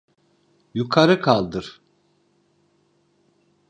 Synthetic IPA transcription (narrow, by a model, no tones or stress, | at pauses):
jukʰaɾɯkʰalˠd̪ɯɾ̥